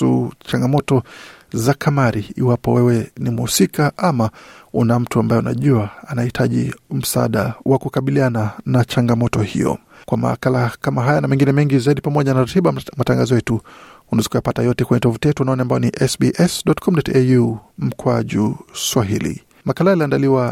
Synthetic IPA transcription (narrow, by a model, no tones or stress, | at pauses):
ut͡ʃaŋɡamɔtɔzakʰamaɾiḭwapɔwɛwɛnimhusikaʔamaunam̩tuambajɛuna̰ʄuaanahitʰaʄḭm̩saa̰ɗawʔakukaɓiliananat͡ʃaŋɡamɔtɔhḭjɔ̰ | kwama̰ːkalakamaɦajanamɛŋɡinɛmɛŋɡizaiɗipamɔʄanaɾatiɓamataŋɡazɔjɛtuunazi̥kuajapatajɔtɛkwɛɲɛtɔvutijɛtuanaɔniambajɔniʔɛsbiʔɛsɗɔtkʰɔmɗɔtɛjum̩kwaʄuswaɦilḭ | makalajaliandaliwa